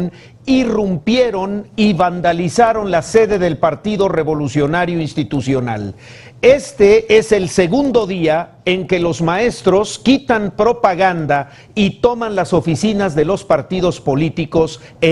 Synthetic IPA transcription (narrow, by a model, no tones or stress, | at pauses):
n | irumpje̞ɾo̞niβand̪alisaɾo̞nlase̞ðe̞ðe̞lpaɾt̪iðo̞re̞βo̞lusjo̞naɾjoinst̪it̪usjo̞na̰l | est̪e̞e̞se̞lse̞ɣund̪o̞ðia | eŋke̞lo̞zmae̞st̪ɾo̞skit̪ampɾo̞paɣand̪a | it̪o̞manlaso̞fisinazðe̞lo̞spaɾt̪ið̞o̞spo̞lit̪iko̞s | e